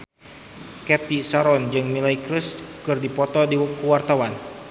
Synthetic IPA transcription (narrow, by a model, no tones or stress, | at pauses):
kɛt̪isaɾɔnd͡ʒɨŋmilaikɾəskɨrdipɔt̪ɔdikuwart̪awan